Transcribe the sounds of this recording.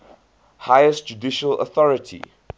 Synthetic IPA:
hajəstd͡ʒudiʃələ̰θɔɹətʰḭ

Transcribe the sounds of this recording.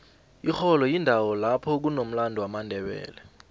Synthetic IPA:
ixɔlɔjindʱawɔlapʰɔk̬unom̩landʱuwamandʱɛɓɛ̰ːlɛ

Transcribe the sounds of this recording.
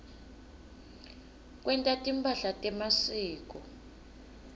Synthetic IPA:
k̬ʼwɛntʼatʼimpʰʼaɬatʼɛmasiːk̬ɔ

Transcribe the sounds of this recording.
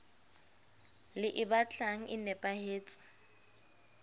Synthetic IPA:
lɪʔɪbat͡ɬʼaŋ̩ʔɪnɛpʼaheːt͡sʼɪ̥

